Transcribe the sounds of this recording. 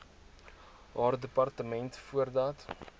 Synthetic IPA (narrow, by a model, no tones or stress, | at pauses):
ɦɑːrdəpɐrtəmɛntfuərdɑːt